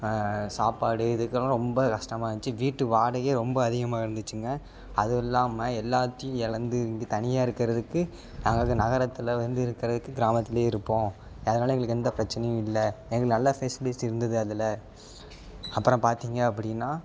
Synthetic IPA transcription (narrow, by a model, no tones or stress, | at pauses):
saːpaːɽɯɪðɯkːɐlãɾɔmbɐkɐʂʈɐmaːɪʋɐnt͡ʃːɯʋiːʈːɯʋaːɽɐɣeːɾɔmbɐːðɪɣɐmaːɪɾɯnd̪ɯt͡ʃːɯŋɡɐ | ɐðɯɛlːaːmɐɛlːaːt̪ːɐjʊ̃ɛɭɐnd̪ɯŋɡɯt̪ɐnɪjaːɪɾɯkːɪɾɐðɯkːɯ | naːŋɡɐɭkːɯnɐɣɐɾɐt̪ːɪlɐʋɐnd̪ɯɪɾɯkːɪɾɐðɯkːɯɡɪɾaːmɐt̪ːɪleːɪɾɯpːõː | ɐðɐnaːlɐɛŋɡɐɭɯkːɛnd̪ɐpɪɾɐt͡ʃːɐnɐjʊ̃ɪlːɐɛŋɡɐɭɯkːnɐlːɐfesɪlɪsɪɾɯnd̪ɐðɯɐðɪlɐ | ɐpːɯɾõpaːɾt̪iːŋɡɐːpːɐɽɪnːaː